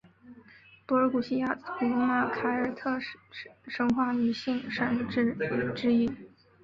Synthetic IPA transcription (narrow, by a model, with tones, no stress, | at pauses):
pɔ˧˥ə˧˥ku˨˩ɕi˥ja˥˩pu˧˩u˥ma˥˩kʰa˧˥ɪə˞˨˩t̪ʰɤ˥˩ | ʂɤ˧˥ŋxwa˥˩ny˧˥ɕi˥˩ŋʂa˥˩n˧˥ʈ͡ʂɻ̩˥i˥˩